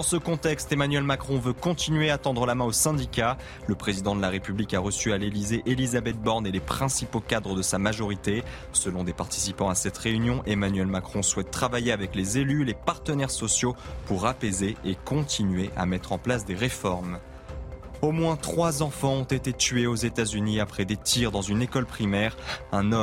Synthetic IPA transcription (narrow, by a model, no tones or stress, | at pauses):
d̪ɑ̃səkɔ̃t̪ɛkst̪emanɥɛlmakχɔ̃vøkɔ̃t̪inɥeat̪ɑ̃d̪ʁəlamɛ̃osɛ̃d̪ikʲa | ləpχezid̪ɑ̃d̪əlaʁepyblikaʁəsyalelizeʔelizabɛt̪̚bɔʁnelepχɛ̃sipokad̪ʁəd̪əsamaʒɔʁit̪e | səlɔ̃d̪epaʁt̪i̥sipɑ̃asɛt̪ʁeynjɔ̃ʔemanɥɛlmakχɔ̃swɛt̪ːχavajeavɛklezelylepaʁt̪ənɛʁsɔsjopuʁapezeːkɔ̃t̪ʰinɥeʔa̰mɛt̪χɑ̃plasd̪eʁefɔʁm | omwɛ̃t̪χwazɑ̃fɑ̃ɔ̃t̪et̪et̪ɥeozet̪azyniapχɛd̪et̪iʁd̪ɑ̃zynekɔlpχimɛʁɛ̃nɔ